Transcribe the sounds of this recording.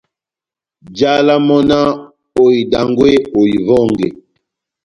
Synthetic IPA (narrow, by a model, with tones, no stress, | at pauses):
d͡ʒa˦la˦mɔ˦na˦ | o˨i˨da˨ŋɡwe˦o˨i˨vɔ˦˨ŋɡḛ˨